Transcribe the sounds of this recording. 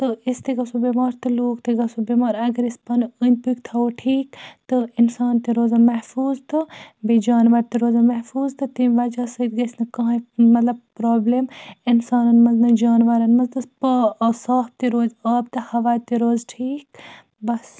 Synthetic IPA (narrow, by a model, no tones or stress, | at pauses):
t̪ɨist̪iɡɐsubemaːɾt̪ɨloːkt̪iɡɐsobemaːɾɐɡɐɾispɐnənʲt̪ukt̪ʰɐoʈʰiːkt̪ɨɪnsaːnt̪iɾoːzɐmɐhfuːzt̪ɨbid͡ʒaːnʋɐɾt̪iɾoːzɐmɐhfuːzt̪ɨt̪iʋɐd͡ʒaːsəid̪ɡɐsnɐkɐ̃ːãmɐt̪lɐb̚pɾoːblemɪnsaːnɐnmɐznɐd͡ʒaːnʋɐɾɐnmɐnzt̪ɨspsaːf̚t̪iɾoːzaːb̚t̪ɨhɐʋaːt̪iɾoːzʈʰiːk | bɐs